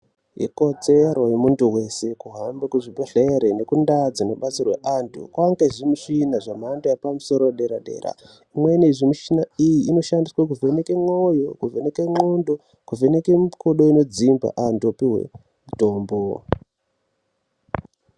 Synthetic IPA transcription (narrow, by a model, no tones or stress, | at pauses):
jḛko̞d͡zeɾo̞jemuntuwe̞se̞kuɦambekuʐiɓeɬeɾene̞kundad͡zinoɓat͡sirwe̞̰ʔandṵkwaŋɡeʐimuʃinaʐamandojapamuso̞ɾoeɗe̞ɾaɗe̞̰ːɾa̰ | imweneʐimiʃinaijiːno̞ʃandiswak̬uve̞nekemojo̞̰kuvenekeŋondo̞ | kuvenekemkʰoɗo̞ino̞d͡zimba̰ʔanduopiɦwe̞̰ | muto̞ːmbo